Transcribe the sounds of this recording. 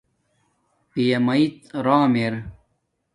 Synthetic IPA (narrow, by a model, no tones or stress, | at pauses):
pijɐmɐit̪ɾaːmeɾ